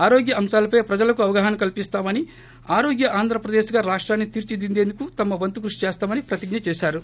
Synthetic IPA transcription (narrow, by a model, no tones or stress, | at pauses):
aːɾoːɡjɐɐmʃaːlɐpɐjpɾɐd͡ʒɐlɐkuɐʋɐɡɐɦɐnkɐlpist̪aːmɐni | aːɾo̞ːɡjɐʔaːnd̪ʱɾɐpɾɐd̪eːʃɡaːɾaːʂʈɾaːnːit̪iɾt͡ʃid̪ind̪e̞ːnd̪ukut̪ɐmɐʋɐnt̪uk̬ɾuʂi̥t͡ʃɛːst̪aːmɐnipɾɐt̪iɡnɐt͡ʃɛːʃaːɾu